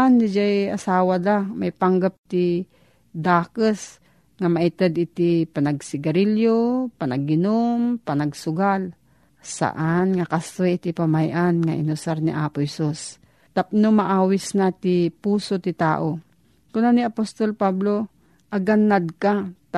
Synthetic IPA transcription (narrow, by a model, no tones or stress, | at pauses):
anːɪd͡ʒajasaːwad̪amajpaŋɡap̚t̪ɪ | d̪aːkəs | ŋamaʔɪt̪ɛd̪ɪt̪ipanaɡsɪɡaɾiljopanaɡ̚ɪnompanaɡsʊɡal | sa̰ʔanŋakast̪ojɪt̪ɪpamajʔanŋaʔɪ̰nʊsaɾnḭʔaːpʊhɛsus | t̪ap̚nomaʔaːwɪsnat̪ɪpuːsot̪ɪt̪a̰ːʔo | kʊnaniapost̪olpablo | ʔɐɡanːad̪̚kat̪